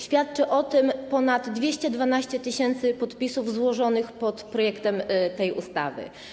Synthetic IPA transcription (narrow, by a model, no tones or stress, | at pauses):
ɕfʲjat̪t͡ʂɘʔɔt̪ɘmpɔnad̪ːvʲjeɕt͡ɕɛd̪vanaɕt͡ɕɛt̪ɘɕɛnt̪sɘpɔt̪pʲisuvzwɔʐɔnɘxpɔt̪pɾɔjɛkt̪ɛmt̪ɛjṵst̪a̰vɘ̰